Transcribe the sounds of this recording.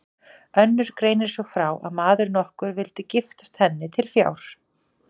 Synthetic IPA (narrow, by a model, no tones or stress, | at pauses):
œnːʏɾ̥kɾeːjnɪɾ̥sɔfɾaːwʔa̰ðmaːðʏɾnɔhkʏɾvɪlt̪ɪcɪft̪ḁst̪hɛnːɪt̪ʰɪlfja̰ːwɾ̥